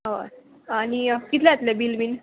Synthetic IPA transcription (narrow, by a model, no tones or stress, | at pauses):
ʋa̰ | anikit̪ʰlɛat̪lebilbin